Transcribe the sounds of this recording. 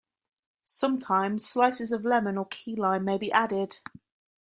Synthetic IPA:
sʌ̃mtʰãɪ̃mz̥slaɪsɪzəvlɛmə̃nəkʰiːlãɪ̃nmeɪbiʔadɪd̥

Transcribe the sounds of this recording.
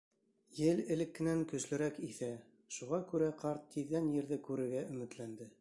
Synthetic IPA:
jɘlɘ̆lɘ̆kːɘ̆næŋkɵ̆slɘ̆ɾækiθæ | ʃuʁɑkʉɾæqʰɑɾt̪ːiðːænjɘ̆ɾðɘkʉɾɘ̆ɾɡæɵ̆mɘ̆t̪lænd̪ɘ

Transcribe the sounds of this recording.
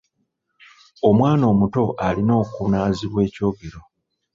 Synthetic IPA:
o̞mwaːno̞ːmuto̞ʔalino̞ːkunaːziβwe̞ːco̞ːɡe̞ɾo̞

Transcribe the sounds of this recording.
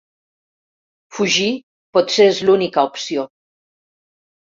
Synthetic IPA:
fuʒi | pɔt̪seezlunikaupsijo

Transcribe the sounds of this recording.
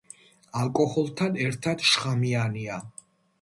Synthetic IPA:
alˠkʼɔhɔlˠt̪ʰanɛɾt̪ʰad̪̥ʃχamiania

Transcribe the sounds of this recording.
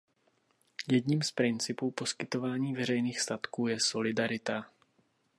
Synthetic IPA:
jɛdɲiːmspɾɪnt͡sɪpuːpo̞skɪt̪o̞vaːɲiːvɛɾ̝ɛjniːxst̪at̪kuːjɛso̞lɪdaɾɪt̪a

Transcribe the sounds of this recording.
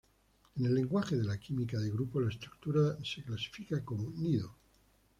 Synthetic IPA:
ene̞lːe̞ŋɡwaxeðe̞lakimikaðeɣɾupolaest̪ɾuk̚t̪uɾase̞klasi̥fikakomoniðo

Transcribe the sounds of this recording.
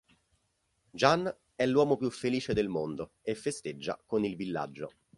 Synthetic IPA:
d͡ʒanː | ɛlːwɔːmopjufːeliːt͡ʃed̪elmond̪o | efːest̪ed͡ʒːa̰konilvilːa̰d͡ʒːo̰

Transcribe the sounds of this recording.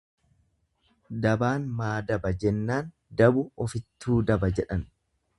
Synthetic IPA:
d̪ɐbaːnmaːd̪ɐbɐd͡ʒɛnːaːn | d̪ɐbʊɔfɪt̪ːuːd̪ɐbɐd͡ʒɛᶑɐn

